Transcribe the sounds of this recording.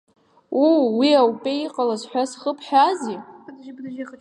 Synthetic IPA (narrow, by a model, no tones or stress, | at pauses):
uwiawpʼeiqʼalazħʷᶣasχəpʰħʷᶣazi